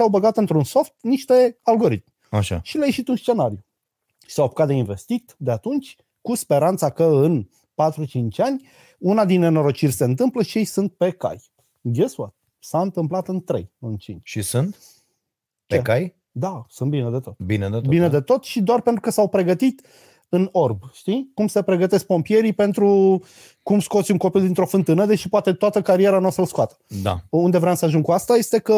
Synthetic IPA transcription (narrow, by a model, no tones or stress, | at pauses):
awbəɡat̪ɨnt̪ɾunso̞ft̪niʃt̪e̞alɡo̞ɾit̪̚m | aʃa̰ʃilajeʃit̪unst͡ʃe̞naɾiju | ʃi̥sawpu̥kat̪d̪einve̞st̪it̪d̪e̞at̪unt͡ʃʲ | kuspe̞ɾant̪sakəɨn | pat̪ɾut͡ʃint͡ʃʲanʲ | unad̪inːe̞no̞ɾo̞t͡ʃirʲse̞ɨnt̪ɨmpləʃije̞jsunt̪̚pe̞ka̰j | ɡʲeswat̪ | saɨnt̪ɨmplat̪ɨnt̪ɾḛjɨnt͡ʃint͡ʃʃisunt̪ | peekaj | d̪asɨnt̪bined̪e̞t̪o̞t̪bined̪ebbined̪e̞t̪o̞t̪ʃid̪oarpe̞nt̪ɾukəsawpɾe̞ɡət̪it̪ | ɨno̞rbʃt̪ikumse̞pɾe̞ɡət̪e̞sk̚po̞mpije̞ɾipe̞nt̪ɾu | kumsko̞t̪sʲuŋko̞pild̪int̪ɾo̞fɨnt̪ɨnəd̪e̞ʃipoat̪e̞t̪oat̪əkaɾije̞ɾanosəlskuat̪ə̥d̪a̰und̪e̞vɾeamsəaʒuŋkuast̪aje̞st̪e̞kə